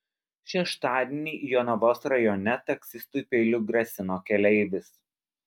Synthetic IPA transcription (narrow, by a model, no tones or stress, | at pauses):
ʃʲɛʃt̪ɑːd̪ʲenʲiːjoːnɐʋoːsɾɐjɔːnʲɛt̪ɐksʲɪst̪ʊˑɪpʲeːlʲʊɡɾɐsʲɪnoːkʲɛlʲɛɪʋʲɪs